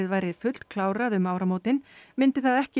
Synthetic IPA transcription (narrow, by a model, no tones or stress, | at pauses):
ɪðvaːjɾɪðfʏt̪l̥t̪kʰlaːwɾaðʏmaːwɾamoːwt̪ɪnmɪnt̪ɪθaðɛhcɪ